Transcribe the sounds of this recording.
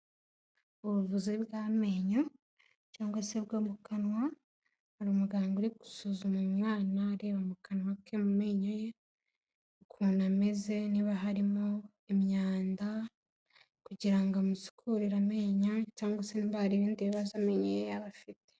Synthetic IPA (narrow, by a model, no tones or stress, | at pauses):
uβuβuziβɡaːme̞ːɲo | caːŋɡwaseβɡoːmukanwa | haɾumuɡaːŋɡuɾiɡu̥suzumumŋaːnaːɾe̞βamukanwakemume̞ːɲoje̞ | kʰunameze̞niβaɦaɾimo | emɲaːnda | kuɟiɾaŋɡamusi̥kʰuɾiɾameːɲacaːŋɡwaseniβahaɾiɾiːndiβazame̞ɲojejaβafite̥